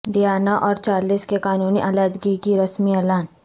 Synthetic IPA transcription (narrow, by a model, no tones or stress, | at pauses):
ɖijaːnaʔɔːɾt͡ʃaːliːskekaːnuːniʔalaːd̪ɡikiɾɐsmiɛːlaːn